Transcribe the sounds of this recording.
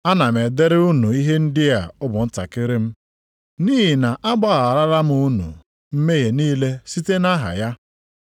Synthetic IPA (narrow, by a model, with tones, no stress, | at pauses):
a˦na˨me˨de˦ɾɪ˦u˦nu˨i˦ɦe˦n̩˦dɪ˦ja˨ʊ˦bʊ˨n̩˦ta̰˨kɪ˦ɾɪ˦m̩˦ | niː˦ɦi˨na˨ʔa˦ɡ͡ba˦ɣa˨ɾa˦ɾa˦m̩˦u˦nṵ˨ | m̩˦me˦ɦe˨niː˦le˦si˦te˦na˦ɦa̰˨ja˦